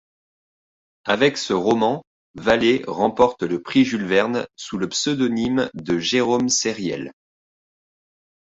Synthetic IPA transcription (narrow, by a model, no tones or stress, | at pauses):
avɛksəʁɔmɑ̃ | valeʁɑ̃pɔʁt̪ləpχiʒylvɛʁnsuləpsød̪ɔnimd̪əʒeʁomseʁjɛ̰l